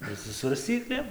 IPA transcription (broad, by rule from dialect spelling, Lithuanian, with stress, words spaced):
ɪr sʊ sʋɐrʲsʲˈt͡sʲiːklʲeːm